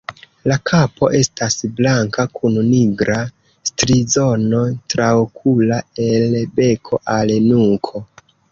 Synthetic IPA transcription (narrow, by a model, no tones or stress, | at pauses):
lakʰapo̞ʔe̞stasblaŋkakunniɡɾa | stɾizo̞no̞tɾaokʰulae̞lbe̞kʰo̞ʔalnuŋkʰo̞